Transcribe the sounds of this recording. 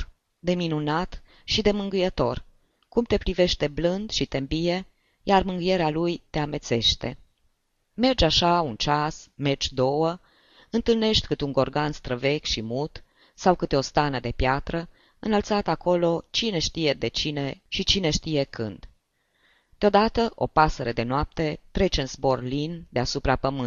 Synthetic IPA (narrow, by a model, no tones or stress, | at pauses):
d̪e̞minunat̪ | ʃid̪e̞mɨŋɡɨjət̪o̞̰r | kumt̪e̞pɾive̞ʃt̪e̞blɨnd̪ʃit̪e̞mbije̞ | jarmɨŋɡɨje̞ɾealujt̪e̞ame̞t̪se̞ʃt̪e̞̰ | me̞rd͡ʒaʃaunt͡ʃasme̞rd͡ʒʲd̪o̞wə | ɨnt̪ɨlne̞ʃt̪ʲkɨt̪uŋɡo̞rɡanst̪ɾəve̞kʲʃimut̪ | sawkɨt̪eo̞st̪anəd̪e̞pjat̪ɾə | ɨnəlt̪sat̪ako̞lo̞t͡ʃine̞ʃt̪ije̞d̪e̞t͡ʃine̞ʃit͡ʃine̞ʃt̪ije̞kʰɨ̰nd̪̥ | d̪̥eo̞d̪at̪əʔo̞̰pasəɾed̪e̞noap̚t̪e̞t̪ɾe̞t͡ʃɨnzbo̞rlind̪easupɾapəmɨn